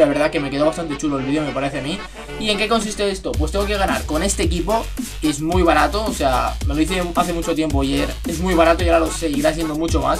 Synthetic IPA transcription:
aβe̞ɾð̞ake̞me̞keo̞βast̪ant̪et͡ʃuloelβiðejo̞me̞paɾe̞θeami | ie̞ŋke̞ko̞nsist̪e̞est̪o̞pwe̞st̪eŋɡo̞ke̞ɣana̰ɾko̞ne̞st̪e̞ːk̬ipo̞ | e̞zmujβaɾat̪o̞ːse̞a̰me̞lo̞ðiθe̞aθe̞mut͡ʃo̞t̪je̞mpoaʝeɾe̞zmujβaɾat̪ojaɾalose̞iɾasje̞nd̪o̞mut͡ʃo̞ma̰s

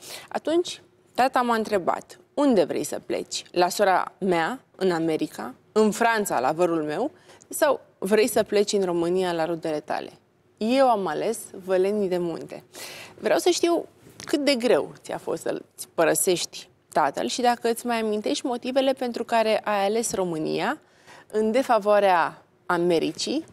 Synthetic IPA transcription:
a̰t̪unt͡ʃʲ | t̪at̪amaɨnt̪ɾe̞ba̰t̪ | und̪e̞vɾe̞̰jsə̰ple̞̰t͡ʃʲlasoɾa̰mea | ɨ̰name̞ɾika̰ | ɨnfɾant̪sa̰la̰vəɾulme̞w | saw | vɾe̞jsəple̞t͡ʃɨnro̞mɨnialaɾud̪e̞le̞t̪a̰le̞̰ | je̞wamale̞svele̞nid̪e̞mṵnt̪e̞̰vɾea̰wsəʃt̪iw | kɨt̪̚d̪e̞ɡɾe̞̰wt̪sia̰fo̞̰st̪sə̰sʲpəɾəse̞ʃt̪ʲ | t̪at̪ə̰lʃid̪akəɨt̪sʲmajamint̪e̞ʃt̪ʲmo̞t̪ive̞le̞pe̞nt̪ɾukaɾe̞ʔajale̞sro̞mɨnḭja | ɨnd̪e̞favoaɾeaː | me̞ɾḭt͡ʃi

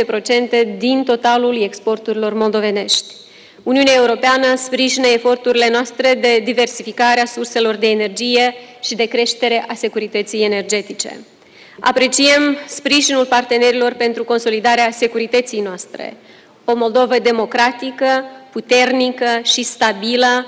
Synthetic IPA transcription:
epɾo̞t͡ʃe̞nt̪e̞d̪int̪o̞t̪alule̞kspo̞rt̪uɾilo̞rmo̞ld̪o̞ve̞ne̞ʃt̪ʲ | uniuneaeuɾo̞peanəspɾiʒinəefo̞rt̪uɾile̞noast̪ɾe̞d̪e̞d̪ive̞rsifikaɾeasurse̞lo̞rd̪e̞ːne̞rd͡ʒije̞ʃid̪e̞kɾe̞ʃt̪e̞ɾe̞ʔase̞kuɾit̪ət̪sijene̞rd͡ʒe̞t̪it͡ʃe̞̰ | a̰pɾe̞t͡ʃiemspɾiʒinulpart̪e̞ne̞ɾilo̞rpe̞nt̪ɾuko̞nso̞lid̪aɾease̞kuɾit̪ət̪sijnoast̪ɾḛ | o̞mo̞ld̪o̞vəd̪e̞mo̞kɾat̪ikəput̪e̞rnikəʃist̪abilə

